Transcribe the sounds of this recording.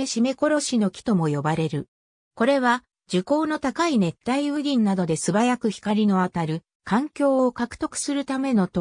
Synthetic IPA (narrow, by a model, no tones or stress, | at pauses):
eɕime̞ko̞ɾo̞ɕino̞kʲi̥t̪o̞mo̞jo̞baɾe̞ɾɯ̟ | ko̞ɾe̞βa | d͡ʑɨko̞ːno̞t̪akaine̞t̪ːaiɯ̟ɡʲĩnːad̪o̞d̪e̞sɨbajakɯ̟çi̥kaɾʲino̞at̪aɾɯ̟ | kãŋkʲo̞ːokakɯ̟̥t̪o̞kɯ̟̥sɨɾɯ̟t̪ame̞no̞t̪o